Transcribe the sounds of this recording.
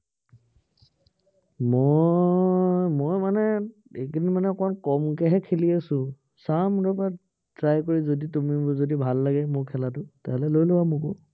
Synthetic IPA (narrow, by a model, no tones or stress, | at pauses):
mɔ | mojmanɛ | ekʰinimanɛkɔankɔmkɛɦɛkʰeliasʊ̃ | samɹɔpa | tɹajkoɹizoditumizodibʱalːaɡɛmʊɹkʰɛlatʊtɛɦɛlɛlojlowamʊkʊ